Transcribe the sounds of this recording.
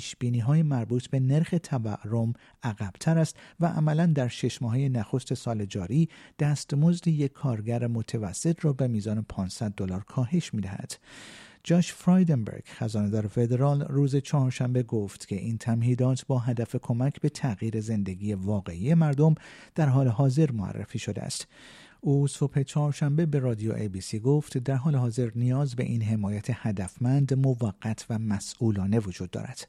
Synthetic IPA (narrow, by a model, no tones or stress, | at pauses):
iːʃb̥iːniːɦɒːjemæɾbuːt̪ʰbe̞ne̞ɾxe̞t̪ʰævæʔɾo̞m | æɣæb̥t̪ʰæɾæst̪væʔæ̰mælænd̪æɾʃe̞ʃmɒːɦeje̞næxo̞st̪e̞sɒːle̞d͡ʒɒːɾiːd̪̥æːst̪mo̞zd̪ijekʰːɒːɾɡæɾemot̪ʰevæsːe̞t̪ʰrɒːbe̞miːzɒːne̞pʰɒːnsæd̪̚ːolɒːɾkʰɒːɦe̞ʃmiːd̪æhæ̰d̪̥d͡ʒɒːʃfɾɒjd̪embḛɾɡ̥xæzɒːne̞d̪ɒːɾefe̞d̪e̞ɾɒːlruːzet͡ʃʰɒhɒːɾʃæmbeɡo̞ft̪cʲʰe̞ʔint̪ʰæmhiːd̪ɒːt̪ʰbɒːɦæd̪æfe̞kʰo̞mæcʰbe̞t̪ʰæɣiːɾe̞ze̞nd̪e̞ɡiːje̞vɒːɣe̞ʔiːje̞mæɾd̪o̞md̪̥æɾɦɒːle̞ɦɒːze̞ɾmoæ̰rːḛfiːʃod̪ḛæ̰st̪ | uːso̞phe̞t͡ʃʰɒːhɾʃæmbe̞be̞ɾɒːd̪ijo̰ʔebiːsiːɡo̞ft̪d̪æɾɦɒːleɦɒːze̞ɾnijɒːzbe̞̰ʔiːnɦe̞mɒːjæt̪ʰe̞hæd̪æfmænd̪mo̞væɡːæt̪ʰvæmæsʔuːlɒːne̞vod͡ʒuːd̪̚ːɒ̰ːɾæ̰d̪̥